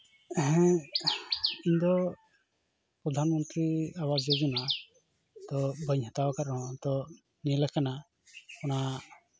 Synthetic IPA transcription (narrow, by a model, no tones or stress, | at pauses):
ɛɦɛ̃ | iɲd̪ɔ | pɾɔd̪ʱanmɔnt̪ɾiawasəd͡ʒɔna | t̪ɔbʱəɲhat̪awakaɾɔɦɔ̃t̪ɔ | nilɛkana | ɔna